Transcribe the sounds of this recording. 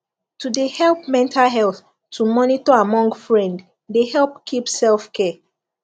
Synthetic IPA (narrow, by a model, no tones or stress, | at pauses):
tʰudehɛlˠp̚mɛ̃ntʰalɦɛlθ | tʰumɔnitɔamɔ̃ŋɡfɹɛ̃nd | dehɛlˠpkʰipsɛlfkʰɛ